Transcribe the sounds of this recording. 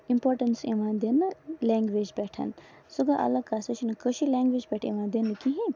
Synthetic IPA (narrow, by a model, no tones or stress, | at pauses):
impoːɾʈənsḭʋãːnd̪enɨleːŋɡʋed͡ʒbɛːʈʰɐ̰n | suɡaʔɐ̰lɐkasɐt͡ʃʰinɨkəʃileːŋɡʋeːd͡ʒbʲɛːʈʰḭʋãːnd̪enɨkiɦĩ